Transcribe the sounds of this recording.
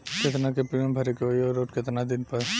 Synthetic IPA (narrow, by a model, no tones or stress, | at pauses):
ket̪nakepɾiə̃mbʱɐɾekeojɔɾoːʈket̪nad̪ɪnpɐɾ